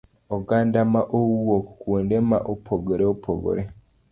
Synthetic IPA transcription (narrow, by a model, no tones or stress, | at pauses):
oɡandamaʔowokuwondemaʔopʰoɡoɾeopʰo̰ɡo̰ɾe